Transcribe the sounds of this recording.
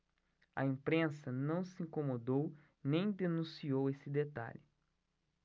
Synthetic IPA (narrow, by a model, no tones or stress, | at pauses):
ɐ̰ĩmpɾẽsɐnɐ̃w̃sɪĩŋkomod̪ow | nẽj̃d̪enũsiowesɪd̪et̪a̰ʎɪ